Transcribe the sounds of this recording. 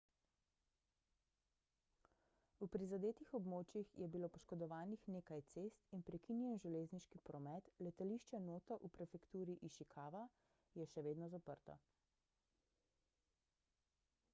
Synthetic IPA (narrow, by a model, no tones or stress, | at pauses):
upɾizad̪eːt̪ixɔbmoːt͡ʃjixjɛbiloːpɔʃkɔd̪ɔʋaːnixneːkajt̪seːst̪inpɾɛkinjɛnʒɛleːzniʃkipɾɔmɛt̪lɛt̪aliːʃt͡ʃɛnoːt̪ɔʔupɾɛfɛkt̪uːɾiʔiʃikʰaːʋa | jɛʃɛʋeːd̪nɔzapəɾt̪ɔ̰